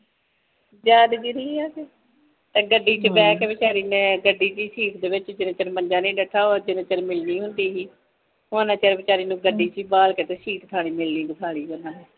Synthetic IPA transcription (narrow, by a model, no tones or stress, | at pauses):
d͡ʒaːd̪d͡ʒiɾiːaːkeː | t̪eːɡəɖːiːt͡ʃəbɛːkeːbɪt͡ʃaːɾiːnẽːɡəɖːiːt͡ʃiːsiːkʰd̪eːʋɪt͡ʃd͡ʒɪnẽːt͡ʃəɾməɲd͡ʒaːnĩːɖɛːʈʰːaːoːd͡ʒɪnẽːt͡ʃəɾmɪlniːɦʊnd̪iːɦiː | onãːt͡ʃəɾbɪt͡ʃaːɾiːnũːɡəɖːiːt͡ʃiːbaːlket̪eːsiːʈt̪ʰaːɽ̃iːmɪlniːbəsʰaːɽiːd͡ʒənãːɦɛː